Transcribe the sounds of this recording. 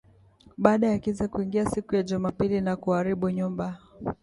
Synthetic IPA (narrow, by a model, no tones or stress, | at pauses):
ɓaːɗajakizɛkuiŋɡiasikujaʄumapilinakuaɾiɓuɲumba